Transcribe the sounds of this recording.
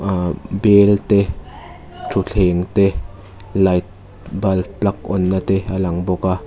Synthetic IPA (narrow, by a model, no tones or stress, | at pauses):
belt̪e | tʰuɬʰeŋt̪e | lajt̪̚ | bɐlplɐk̚ɔnːat̪ealɐŋbɔka